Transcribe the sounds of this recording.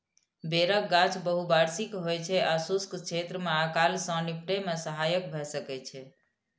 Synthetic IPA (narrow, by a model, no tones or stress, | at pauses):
beɾək̚ɡat͡ʃʰbəɦubaɾsikɦojt͡ʃʰɛʔasuskt͡ʃʰet̪ɾəmeakalsə̃nipʈemesəɦajəkbʱɛsəkɛt͡ʃʰɛ